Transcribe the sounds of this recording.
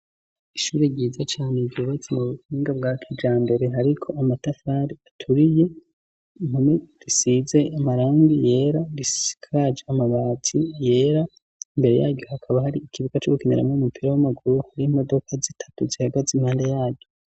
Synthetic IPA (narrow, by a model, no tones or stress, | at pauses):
iʃuːɾeɟiːzat͡ʃaːne̞ɾɟoːβat͡semuβuhiːŋɡab̚ɡaːkʰid͡ʒaːmbe̞ɾe̞ɦaɾikʰo̞ʔamatafaɾiatʰuɾije̞ | mhuneɾisize̞amaɾaːŋɡije̞ːɾaɾisi̥kʰad͡ʒeamaβaːtʰije̞ːɾa | imbe̞ɾe̞̰jaːɟo̞hakʰaβahaɾiːkiβukat͡ʃoɡukeneɾa̰mŋoumupʰiɾawamaɡuɾuhaɾiːmo̞do̞kʰazitʰḁtuzihaɡazimhaːndejaːɟo